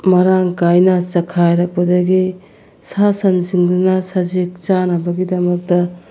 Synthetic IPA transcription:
mɐɾaŋkajnɐsɐkʰajɾɐk̚pɐdɐɡi | sasɐnsiŋdɐnɐsɐzik̚t͡ʃanɐbɐɡidɐmɐk̚tɐ

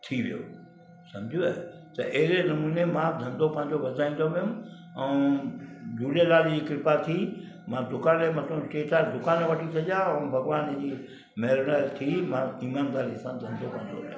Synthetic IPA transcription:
t̪ʰiʋijo̰ | sɐ̃md͡ʑʱuɛ | t̪ɐʔɦɪɾenɐmuːnemãːd̪ʱɐ̃nd̪ʱopɐ̃ɦɪ̃ɲd͡ʑoʋɐd̪ʱaːĩnd̪oʋɪjʊ̃m | ɛ̃ | d͡ʑʱuːlelaːlid͡ʑiːkɪɾɪpat̪ʰi | mãd̪ʊkaːnleːmɐt̪ʰõsʈeːʈaɾd̪ʊkaːnʋɐʈʰisʰɐd͡ʑaɛ̃ːbʱɐɡʋaːnd͡ʑiː | mɛɦɾnaːɾt̪ʰimãiːmaːnd̪aːɾisãd̪ʱɐ̃nd̪ʱopɐ̃ɦɪ̃ɲd͡ʑo̰o

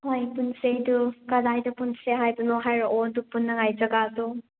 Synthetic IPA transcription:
hojpunsejdukadajdupunseɦajbɐnoɦajɾɔʔodupunːɐŋajd͡ʒɐɡadu

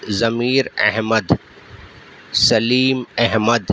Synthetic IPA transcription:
zɐmiːɾɐ̰ɦməd̪ | sɐliːmɐɦməd̪

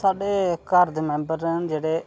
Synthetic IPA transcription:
saːɖeːkaɾd̪emɛ̃ːmbəɾɛnd͡ʒeːɽeː

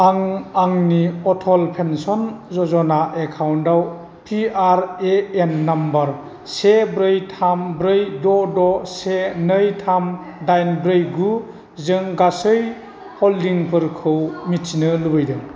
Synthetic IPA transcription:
aŋaŋniɔtʰɔlpʰensɔnzɔzɔnaʔekʰawndaw | pʰiaɾeenːambaɾ | sebɾɯjtʰambɾɯjdɔdɔsenɯjtʰam | dajnbɾɯjɡu | zɯŋɡasɯj | hɔldiŋpʰɯɾkʰɯwmitʰinɯlubɯjdɯŋ

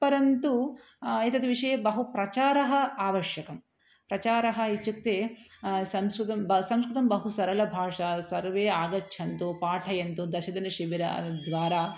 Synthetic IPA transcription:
pɐɾɐnt̪u | et̪ɐt̪iʋiʂɐjɐbɐɦupɾɐt͡ʃaːɾɐɦɐaːʋɐɾʂjɐkɐm | pɾɐt͡ʃaːɾɐɦɐ̆it͡ʃːuk̚t̪eːsɐmskut̪ɐmbɐsɐ̃mskɾut̪ɐmbɐɦusɐɾɐlɐbʱaːʂɐsɐɾʋeːaːɡɐtːʃʰɐnt̪upaːʈʰɐjɐnt̪ud̪ɐʃɐd̪ɐnɐʃiʋiɾɐ̰d̪ʋaːɾaː

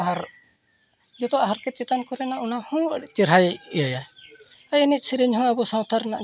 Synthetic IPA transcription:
aɦaɾ | d͡ʒɔt̪ɔʔaɦaɾkɛt̪̚t͡ʃɛt̪ankɔɾɛnaʔunahɔ̃ɛt͡ʃiɾɦajijaja | ajɛnɛt̪̚ˀsiɾɛɲɦɔ̃abɔsãwt̪ʰaɾna̰ʔ

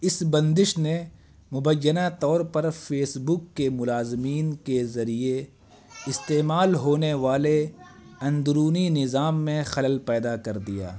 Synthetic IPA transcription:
ɪsbɐ̃nd̪ɪʃne | mʊbəjːənat̪ɔːɾpɐɾfʰeːsbʊkːemʊlaːzɪmiːnkezɐɾie | ɪst̪eːmaːlɦoːneʋaːle | ɐ̃nd̪ʊɾuːninɪzaːmːẽxɐləlpɛːd̪akɐɾd̪ija̰ː

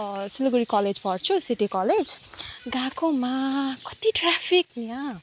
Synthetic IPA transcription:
siloɡuɾikʌled͡zpʌrt͡sʰusiʈikɔled͡zɡãkõmakʌ̥t̪iʈrapʰikniã

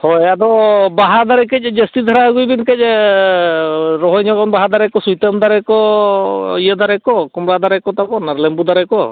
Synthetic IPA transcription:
hɔjadɔbaɦad̪aɾɛkɛc̚d͡ʒɛst̪id̪ʱaɾaɡujbinkɛc̚ | ɾɔɦɔjɲɔkɔnbaɦad̪aɾɛkɔsujt̪amd̪aɾɛkɔ | jad̪aɾɛkɔkɔmɾad̪aɾɛkɔt̪apɔnaɾlɛmbud̪aɾɛkɔ

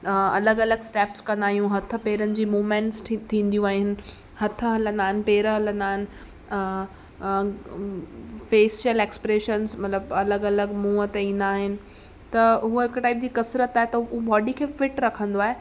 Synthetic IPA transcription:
ɐləɡɐləɡsʈeːpskɐ̃nd̪aːɦijũɦɐt̪ʰə̆peːɾənɪ̆d͡ʑiːmuːmẽːɳʈst̪ʰĩːnd̪ijũaːɦɪnɪ̆ | hɐt̪ʰəɦɐlə̃nd̪aːɦɪnɪ̆peːɾəɦɐlə̃nd̪aːɦɪnɪ̆ | feːsəleːkspɾeːʃənsmɐt̪ləbɐləɡɐləɡmũːət̪eĩːn̆d̪aːɦɪnɪ̆ | t̪ɐɦuɦɪkʈaːɪp̚d͡ʑiːkɐsɾət̪aːɦet̪ɐʊbɔːɖikʰeːfɪʈɾɐkʰə̃nd̪oaːɦeː

